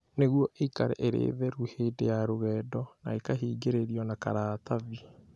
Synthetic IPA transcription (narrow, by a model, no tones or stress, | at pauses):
neɣwɔʔeikaɾɛ̰ʔeɾḛðɛɾuhedejaɾoɣɛːdɔnaekaɦiːɡeɾeɾiɔnaka̰ɾaːt̪avi